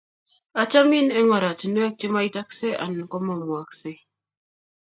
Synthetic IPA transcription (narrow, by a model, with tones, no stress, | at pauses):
a˨t͡ʃa˦mi˦˨nɛ˦ŋa˨ɾa˨ti˨nu˦ɛ˦k̚ti˦ma˦i˦ta˦kse˦ʔa̰˨n˨kɔ˦mo˨mwa˨kse˦